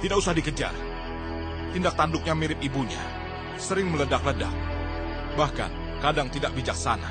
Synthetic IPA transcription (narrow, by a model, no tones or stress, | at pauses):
t̪idakusahdikəd͡ʒa̰r | t̪indak̚t̪andʊk̚ɲamiɾɪp̚ibuɲa̰ | səɾɪŋmələdak̚ləda̰k̚ | bahka̰n | kadaŋt̪idaʔ̚bid͡ʒak̚sana̰